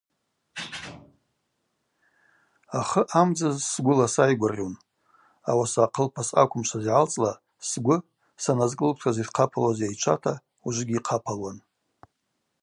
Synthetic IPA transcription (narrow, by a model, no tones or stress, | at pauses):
aχəʔamd͡zazsɡʷʊlasajɡʷarʲon | awasaːqʰəlpʰasa̰kʷʰʊmʃʷʰazʕalt͡sʼla | sɡʷʊ | sanazkʼɨlkʰtʰazidqʰapʰalwazjajt͡ʃʷʰa̰tʰa | uʒʷɪɡʲiqʰapʰalwan